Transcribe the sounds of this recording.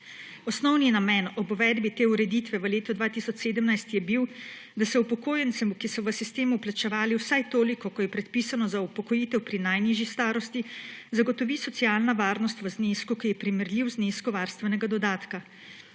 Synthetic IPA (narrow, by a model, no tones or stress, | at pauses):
ɔsnɔwninamɛnɔbʋɛd̪bit̪eːuɾɛd̪it̪ʋɛʋəleːt̪ɔd̪ʋaːt̪isɔt͡ʃseːd̪əmnajst̪jɛbiw | d̪asɛupɔkoːjɛnt̪sɛmukisɔʋəsist̪eːmuplat͡ʃɛʋaːliwsajt̪oːlikɔkɔjɛpɾɛt̪̚pisanɔzaupɔkɔjiːt̪ɛwpɾinajniːʒjist̪aːɾɔst̪izaɡɔt̪ɔʋiːsɔt̪siaːlnaʋaːɾnɔst̪ʋəzneskukijɛpɾiməɾlʲiwzneskɔʋaːɾst̪ʋɛnɛɡad̪ɔd̪aːt̪ka